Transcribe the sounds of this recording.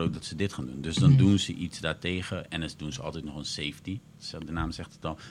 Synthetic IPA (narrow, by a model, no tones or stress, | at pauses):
ow̚dɑtsədɪtχaːndundɵsdɑndunzəʔitzdaːɹteːχəʔɛnədunzəɑ̰lˠtɛjtnɔχənsejfti | dənaːmzɛχtətɑlˠ